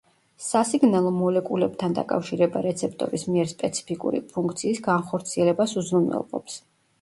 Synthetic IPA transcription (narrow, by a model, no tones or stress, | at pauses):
sasiɡnalˠɔmɔlɛkʼulɛb̥t̪ʰand̪a̰kʼa̰fʃiɾɛbaɾɛt̪sʰɛp̚ʰt̪ʼɔ̰ɾismiɛɾspʼɛt̪sʰi̥pʰikʼṵɾḭpʰuŋk̚ʰt̪sʰiːsɡanχɔɾt̪sʰiɛlɛbasuzɾumɛ̰lˠqʼɔ̰ps